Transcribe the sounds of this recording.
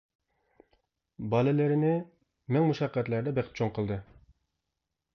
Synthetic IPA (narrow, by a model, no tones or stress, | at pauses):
bɑlɪlɪɾɪnɪ | mɛŋmuʃɑqːɛt̪læɾd̪ɛbɛqp̚t͡ʃʰoŋqʰəlˠd̪ɨ